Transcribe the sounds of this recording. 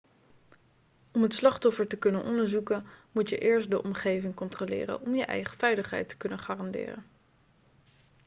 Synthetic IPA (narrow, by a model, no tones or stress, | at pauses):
ɔmɦətslɑχtɔfəɹtəkɵnənʔɔndəɹzukənmutjəʔɪːɹstdəʔɔmχejvɪŋkɔntrolɪ̰ːrə̰nɔmjəʔɛ̰jχəv̥ɛjləχɦɛ̰jtə̥kɵnənχaːrɑndɪ̰ːrə̰n